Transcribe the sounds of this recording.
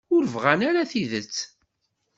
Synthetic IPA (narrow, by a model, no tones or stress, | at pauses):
ʊɾəvʁænaɾaθiðət͡sː